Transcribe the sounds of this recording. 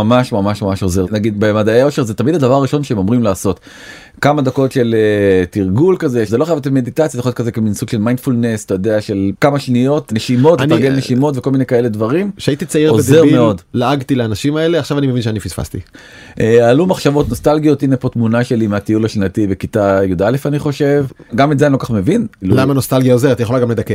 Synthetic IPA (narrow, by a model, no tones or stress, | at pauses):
amaʃmamaʃmamaʃozeʁnaɡid̪bemad̪aeo̞ʃeʁzet̪amidad̪avaʁːiʃo̞nʃeemomʁimlaːso̞t̪ | kamad̪ako̞tʃe̞letiʁɡulkaze̞zeloχajavet̪̬emed̪it̪at͡sjazeootkazekeminsuɡʃe̞lmajnd̥̪fulne̞st̪ojod̪eaʃe̞lkamaʃnijo̞t̪neʃimo̞tet̪aʁɡelneʃimo̞t̪veko̞lminekaeledvaʁimʃeait̪it͡saiʁobezeʁmeo̞d̪laaɡt̪ileanaʃimaeleaχʃavanimevinʃeanifisfa̰st̪ḭ | ʔealumaχʃavo̞t̪no̞st̪alɡijo̞t̪inepo̞tmunaʃe̞limeat̪iulaʃnat̪ivekit̪ajudale̞faniχo̞ʃe̞vɡamet̪zeanilokaχme̞vinlulamanost̪alɡijaozeʁet̪jeolaɡamle̞d̪ake